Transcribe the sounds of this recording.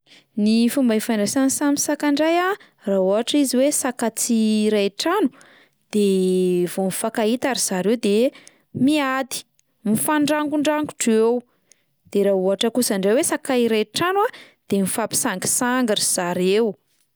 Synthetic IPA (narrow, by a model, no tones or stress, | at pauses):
nifumbaifaɳɖ͡ʐasansamisakaɳɖ͡ʐaja | raɦuɦaʈ͡ʂiziwesakat͡siɾaʈ͡ʂanu̥ | d̪̥evomifakait̪aɾiz̥aɾewd̪e | miad̪i̥ | mifaɳɖ͡ʐaŋɡuɳɖ͡ʐaŋɡu̥ʈ͡ʂew | d̪̥eɾaɦuaʈ͡ʂəkusaɳɖ͡ʐewesakaiɾaʈ͡ʂanwa | d̪̥emifapi̥saŋɡi̥saŋɡarz̥aɾew